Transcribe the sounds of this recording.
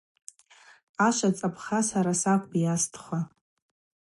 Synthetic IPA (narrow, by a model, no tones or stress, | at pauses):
aʃat͡sʼapʰχasaɾasakʷʼbijastʰχʷa